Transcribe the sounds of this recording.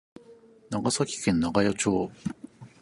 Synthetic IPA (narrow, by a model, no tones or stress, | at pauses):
naɡasakʲi̥kẽ̞nːaɡajot͡ɕo̞ː